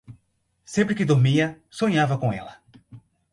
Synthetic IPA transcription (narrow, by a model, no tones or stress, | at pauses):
sẽmpɾɪkɪd̪oɾmiɐ | soɲavɐkõɛ̰lɐ